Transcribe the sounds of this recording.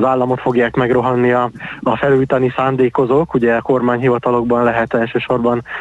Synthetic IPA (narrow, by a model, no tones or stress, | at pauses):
zaːlːɒmo̞t̪fo̞ɡjaːkmɛɡro̞ɦɒnːiɒːfɛlujt̪ɒnisaːnd̪eːko̞zoːkuɟɛɒko̞rmaːɲɦivɒt̪ɒlo̞ɡbɒnlɛɦɛt̪ɛlʃøːʃo̞rbɒn